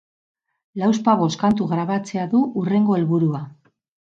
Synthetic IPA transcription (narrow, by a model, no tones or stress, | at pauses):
lawspaβ̞o̞skant̪uɣɾaβat͡se̞aðuure̞ŋɡo̞e̞lβuɾua